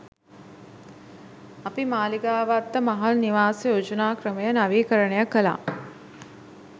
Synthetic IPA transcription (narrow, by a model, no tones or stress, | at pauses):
apimaːliɡaːʋat̪ːəmaɦalniʋaːsejod͡ʒənaːkɾəməjənaʋiːkəɾəɳejakəla̰